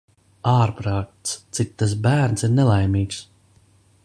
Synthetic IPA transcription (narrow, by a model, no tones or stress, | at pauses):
aːɾpɾaːk̚t̪st̪sik̚t̪ːas̬bæːɾnsiɾnɛlˠajmiːks